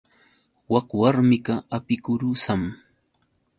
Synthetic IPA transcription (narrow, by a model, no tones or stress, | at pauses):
wakwaɾmɪɢɑapɪkʊɾʊsam